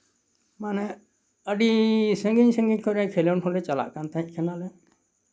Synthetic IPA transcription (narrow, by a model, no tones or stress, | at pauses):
manɛ | əɖisəŋɡiɲsə̃ŋɡiɲkʰɔɾajkʰelewnɦolet͡ʃala̰ʔkant̪aĩʔkʰənalɛ